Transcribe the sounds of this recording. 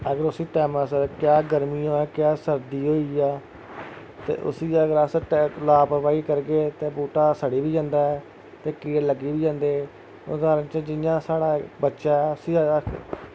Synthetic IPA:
əɡəɾʊsiːʈɛːmaːs̬əɾkjaːɡəɾmiːoːɛːkjaːsəɾd̪iːɦoːiːaː | t̪ḛːʔʊ̰siːəɡəɾaːsəʈːlaːpɾpaːiːkəɾɡeːt̪eːbuːʈaːsəɽiːbiːd͡ʒãːnd̪aːɛː | t̪eːkiːɽləɡiːʋiːd͡ʒãːnd̪eː | ʊdaːɾə̃ːt͡ʃə̃d͡ʒɪjãːsaːɽaːbətːʃaːɛːʊsiː

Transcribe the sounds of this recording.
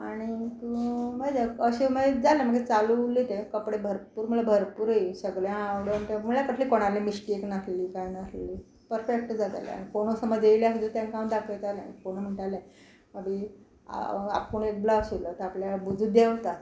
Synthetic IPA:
aɽ̃it̪uməd͡ʑaəɕeməed͡zalam̤əɡet͡salulit̪ekəpɽebʱəɾpuːɾm̤əlabʱəɾpuːɾəisəɡɭjãawɽəm̤əɳʈ̪am̤uɭljakəʈʰliːkoɽ̃alemiɕʈieknasleliːkajnasleliː | pəɾfek̚ʈd͡zat̪a̰lj̰a̰ɽ̃ikoɽ̃osəməd͡zejljakd͡zut̪jãnkawnd̪akʰəjt̪ala̰koɽ̃əm̤əɳʈaljã | məɡi | a̰a̰p̚koɳ̃ek̚blasulat̪əapljabud͡zʱud̪eʋt̪at̪

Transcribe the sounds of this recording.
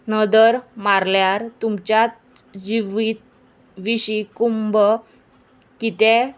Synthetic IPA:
nəd̪əɾmaɾljaɾt̪umt͡ɕjat̪̚ | d͡ʑiʋit̪̚ | ʋiɕikumbə | kit̪ɛ

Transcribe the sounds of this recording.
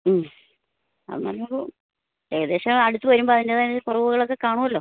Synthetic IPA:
m | ɐ̰ðɨma̰loɭu | eːɣɐðe̞ːɕɐɐɽut̪ːɨʋɐɾumboɐðindeðaːnːkurɐʋuɣɐɭo̞kːe̞kaːɳuːɐlːo̞ː

